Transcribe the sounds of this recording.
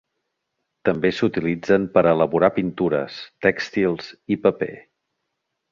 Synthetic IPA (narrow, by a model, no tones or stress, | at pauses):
t̪əmbesut̪ilid͡zəmpəɾələβuɾapint̪uɾə̰st̪ɛkst̪ilˠzipəpḛ